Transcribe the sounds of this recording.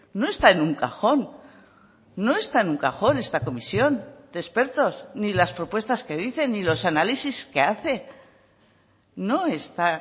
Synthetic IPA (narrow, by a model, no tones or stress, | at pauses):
no̞e̞st̪aenuŋkaxo̞n | o̞e̞st̪aenuŋkaxo̞ne̞st̪ako̞misjo̞nd̪̥espe̞ɾt̪o̞snilaspɾo̞pwe̞st̪aske̞ðiθe̞nilo̞sanalisiske̞aθe̞ | no̞e̞st̪a